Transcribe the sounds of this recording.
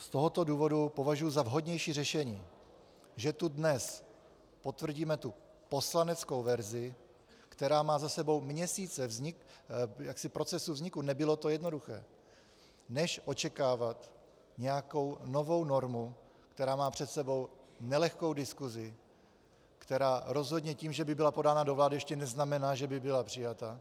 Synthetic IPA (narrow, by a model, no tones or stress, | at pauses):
st̪o̞ɦo̞t̪oduːvo̞dupo̞vaʒujuzavɦo̞dɲɛjʃiːrɛʃɛɲiː | ʒɛt̪udnɛs | po̞t̪vr̩ɟiːmɛt̪u | po̞slanɛt͡sko̞wvɛɾzɪ | kt̪ɛɾaːmaːzasɛbo̞wmɲɛsiːt͡sɛvzɲɪkjaksɪpɾo̞t͡sɛsuvzɲɪkunɛbɪlo̞t̪o̞jɛdno̞duxɛ̰ː | nɛʃʔo̞t͡ʃɛkaːvat̪ | ɲɛjako̞wno̞vo̞wno̞ɾmu | kt̪ɛɾaːmaːpr̝̥ɛt̪sɛbo̞wnɛlɛxko̞wdɪskuzɪ | kt̪ɛɾaːɾo̞zɦo̞dɲɛciːmʒɛbɪbɪlapo̞daːnado̞vlaːdɪjɛʃcɛnɛznamɛnaːʒɛbɪbɪlapr̝̥ɪjat̪a